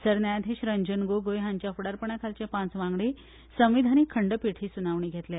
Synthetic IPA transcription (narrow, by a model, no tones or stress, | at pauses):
səɾnajd̪ʱeɕɾəɲd͡ʑənɡoɡojɦãɲt͡ɕjafuɽaɾpəɳjakʰalt͡ɕepãt͡sʋãŋɡɽi | sə̃ʋ̃ʋid̪ʱaniːkʰəɳɖəpiʈʰiːsunaʋɳiːɡʱet̪le